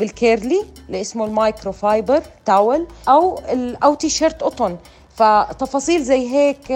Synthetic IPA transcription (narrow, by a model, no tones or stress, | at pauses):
bɪlkeːɾlilɪʔɪsmolmajkɾofajbəɾt̪aːwɪlʔawɪlʔawt̪iʃeɾt̪ʔʊt̪ˤʊn | fat̪ːɑfɑːsˤiːlzajːɦeːk